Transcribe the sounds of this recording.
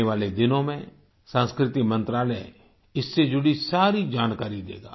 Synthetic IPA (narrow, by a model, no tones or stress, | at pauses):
eʋaːled̪ɪnõmẽ | sə̃ːnskɾɪt̪ɪmə̃nt̪ɾaːlɛ | ɪsːed͡ʒʊɽisaːɾid͡ʒaːnkaːɾid̪ḛːɡa̰ː